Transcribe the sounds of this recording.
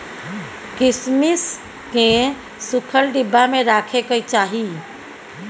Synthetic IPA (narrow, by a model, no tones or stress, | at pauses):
kismis | kẽ | sukʰəlɖibːameɾakʰekət͡ʃaɦi